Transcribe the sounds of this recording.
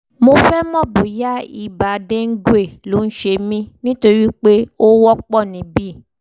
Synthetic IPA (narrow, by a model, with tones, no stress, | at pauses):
mo˧fɛ˦mɔ̃˦bo˨ja˦i˨ba˨de˦ŋ̩˦ɡu˦e˦˨lo˨˦n̩˦ʃe˧mĩ˦nĩ˦to˧ɾi˦k͡pe˦o˦wɔ˦k͡pɔ˦˨nĩ˨bi˦˨